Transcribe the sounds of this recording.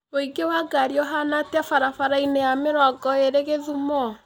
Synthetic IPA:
oiɡewaɡaɾiɔɦanatafaɾafaɾainejameɾɔɡɔeɾeɣeðumɔ

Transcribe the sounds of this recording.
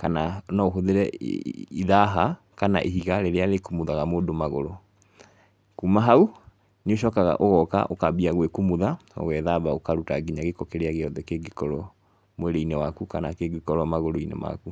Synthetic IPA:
kananaoɦoðeɾɛ | iðaɦa | kanaʔeɦiɣaɾeɾealekumuðaɣamoːdomaɣoɾo | kumaɦau | neoʃ̬ɔːkaɣa̰ʔoɣɔka̰ʔo̰kabiaɣwekumuðaɔ̰ɣɛðaβaokaɾutaɡiɲaɣekɔkeɾeaɣeɔðɛkeɡekɔɾɔ | mweɾeinɛwakukanakeɡekɔɾɔmaɣoɾoinɛ̰ma̰ku

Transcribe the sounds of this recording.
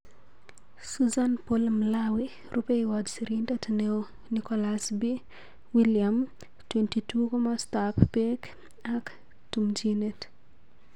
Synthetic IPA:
suzanpolmlawi | ɾʔupeiwɔd͡ʒsiɾindatneo | nikɔlasbi | wiliam | twentitukomastapːek | ak | tumd͡ʒinet

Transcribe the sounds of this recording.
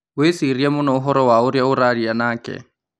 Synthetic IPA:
wesiɾiamʊnɔʊɦɔɾɔwaʊɾjaʊɾaɺianaːkʼɛ̰

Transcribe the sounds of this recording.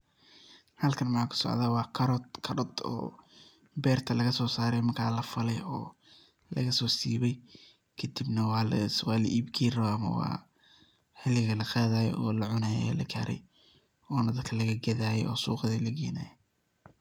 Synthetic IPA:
hɐlkʰɐnmɑħaːkʰʊ̥sɔ̰ʕðaːwɑːkʰɐɾt̪kʰɐɾɔd̪ɔ̰ː | bɛːrt̪ʰɐlɐɣɐsɔːsaːɾɛjmɐkʰa̰ːlɐfɐlɛjɔː | lɐ̰ɣɐsɔːsiːβɛj | kʰɐd̪ibnɐwɑːlwɑːlɐ̰ʔiːbɡʰɛːɾɔɐmɐ̰wɑ̰ː | ħɪlɪɣɐlɐqaːðaːjɛ̰ɔːlɐʕʊnaːjɛ̰lɐ̰ɡaːɾɛ̰j | ɔːnɐd̪ɐd̪kʰɐlɐɣɐɡɐðaːjɛjɔːsṵːqɐðilɐɡɛːna̰ːjɛ

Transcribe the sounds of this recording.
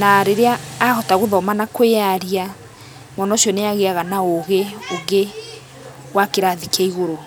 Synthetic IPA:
naɾeɾeaːɣɔtaɣoðɔmanakweaɾia | mɔnɔʃiɔneaɣeaɣanaoɣeoɡe | wakeɾaðikeiɣoɾo

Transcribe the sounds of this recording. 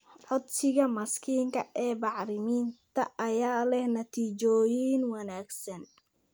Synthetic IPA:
ʕɔd̪sɪɣɐmɐskʰiːŋkʰɐʔɛːbɑʕɾɪmiːnt̪ʰɐʔɐjaːlɛhnɐt̪ʰiːt͡ʃɔːjiːnwɐnaːɡsɐn

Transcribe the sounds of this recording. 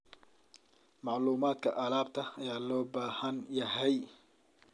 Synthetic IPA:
mɑʕluːmaːd̪kʰɐʔɐlaːb̚t̪ʰɐɐjaːlɔːbaːhɐnjɐɦɛj

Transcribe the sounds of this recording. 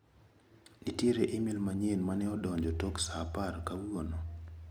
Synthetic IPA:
nitjeɾeʔɪmilmaɲenmanɛɔdɔɲd͡ʒɔtoksaparkawʊono

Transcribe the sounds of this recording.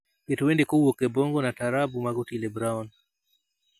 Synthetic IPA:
jɛtuwɛndikɔwɔkɛbɔŋɡɔnataɾabumaɡutilɛbɾaɔn

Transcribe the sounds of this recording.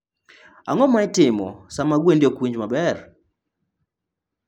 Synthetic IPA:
a̰ŋɔmaɪtɪmɔ̰samaɡwendjokwiɲd͡ʒmabɛr

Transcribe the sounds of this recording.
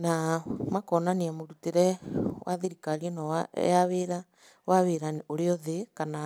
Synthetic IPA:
namakɔnaneamoɾuteɾɛwaðeɾikaɾiɔna̰jaβeɾa | waβeɾaneoɾeɔðekana

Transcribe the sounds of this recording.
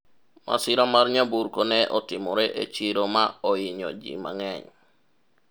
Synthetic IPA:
mʔa̰siɾamaɾɲabuɾkonɛʔɔtimɔɾɛʔet͡ʃiɾomaɔjiɲɔ̰d͡ʒḭma̰ŋɛɲ

